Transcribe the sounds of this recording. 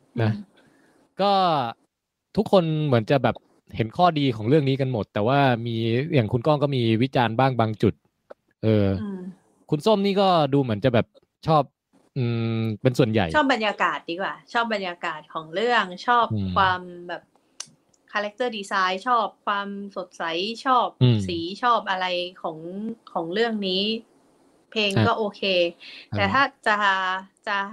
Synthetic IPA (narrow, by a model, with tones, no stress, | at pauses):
na˦˥ | kɔː˥˩ | t̪ʰu˦˥kʰːo˧nmɯ˩˦ənt͡ɕa˨˩bɛː˨˩p̚ | he˩˦nkʰɔː˥˩diː˧kʰɔː˩˦ŋɾɯ˥˩əŋniː˦˥ka˧nmo˨˩t̪ːɛː˨˩waː˥˩miː˧jaː˨˩ŋkʰu˧nkɔː˥˩ŋkɔː˥˩miː˧wi˦˥t͡ɕaː˧nbaː˥˩ŋbaː˧ŋt͡ɕu˨˩t̪̚ | ʔɤː˧ | kʰu˧nso˥˩mniː˥˩kɔː˥˩duː˧mɯ˩˦ənt͡ɕa˨˩bɛː˨˩p̚ | t͡ɕʰɔː˥˩p̚ | ʔɯː˨˩pe˧nsu˨˩ənja̰˨˩jt͡ɕʰɔː˥˩p̚ba˧njaː˧kaː˨˩t̪̚diː˧kwaː˨˩t͡ɕʰɔː˥˩p̚ba˧njaː˧kaː˨˩t̪̚kʰɔː˩˦ŋɾɯ˥˩əŋt͡ɕʰɔː˥˩pkʰwaː˧mbɛː˨˩p̚ | kʰaː˧lɛ˦˥k̚t̪ɤː˥˩diː˧saː˦˥jt͡ɕʰɔː˥˩p̚kʰwaː˧mso˨˩t̪̚sa˩˦jt͡ɕʰɔː˥˩p̚ːsiː˩˦t͡ɕʰɔː˥˩p̚ʔa˧ɾa˧jkʰɔː˩˦ŋkʰɔː˩˦ŋɾɯ˥˩əŋniː˦˥ | pʰeː˧ŋkɔː˥˩ʔoː˧kʰeː˧t̪ɛː˨˩t̪ʰaː˥˩t͡ɕa˨˩t͡ɕa˨˩